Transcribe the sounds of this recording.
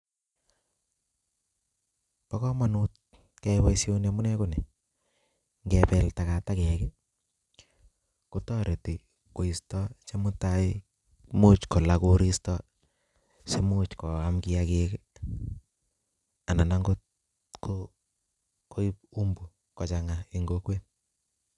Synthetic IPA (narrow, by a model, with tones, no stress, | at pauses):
pa˦kɔ˦ma˨nu˦t̚ | kɛ˦wa˦isjo˦nemu˦nɛ˦kunɛ˨ | ŋɡɛpɛ˨lta˨ka˨takɛkɛ | ku˦tɔ˦ɾe˨ti˨ | ko˨i˨stɔ˦t͡ʃe˦mu˦ta˦i | mu˦t͡ʃko˨la˦ko˦ɾi˦stɔ | se˦mu˦t͡ʃkɔ˨a˦mki˦a˦ke˦k | a˨na˨na˦ŋɡo˦t | ko | ko˦i˦p̚u˦mbu˨ | kɔ˨t͡ʃa˨ŋa˨i˨ŋɡokwe˦n